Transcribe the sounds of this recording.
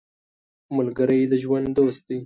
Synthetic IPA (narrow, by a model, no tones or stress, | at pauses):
mʊlɡəɾəjd̪əʒwand̪d̪ost̪̚d̪ej